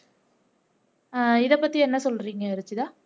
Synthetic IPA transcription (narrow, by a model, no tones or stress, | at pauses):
ɪðɐpːɐt̪ːiɛnːɐsɔlɾiːŋɡɐɪɾɯt͡ʃːɯðaː